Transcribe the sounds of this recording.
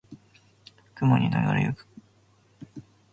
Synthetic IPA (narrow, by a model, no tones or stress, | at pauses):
kɯmoɲʲinojoɾḛjokɯ̥